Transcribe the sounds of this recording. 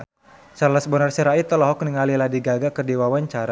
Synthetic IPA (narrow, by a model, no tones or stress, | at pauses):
sarlasəbənarsəɾait̪ɔlɔɦɔk̚niŋaliladiɡaɡakərdiwawaɲt͡ʃaɾa